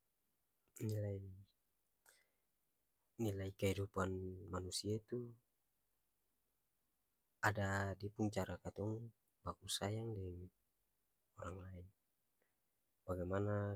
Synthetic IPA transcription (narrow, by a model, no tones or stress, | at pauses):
nilai | nilaikɛhidupanmanusiait̪u | adadipuŋt͡ʃaɾakat̪ɔŋ | bakusajaŋdɛŋ | ɔɾaŋlain | baɡajmana